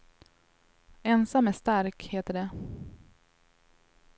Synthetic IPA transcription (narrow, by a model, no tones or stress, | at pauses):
ɛnsamːæʂt̪aɾkheːt̪əɖɛ